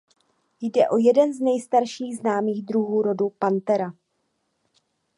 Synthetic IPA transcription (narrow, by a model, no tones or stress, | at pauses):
jdɛʔo̞jɛdɛnznɛjst̪aɾʃiːɣznaːmiːɣd̪ɾuɦuːɾo̞dupant̪ɛɾa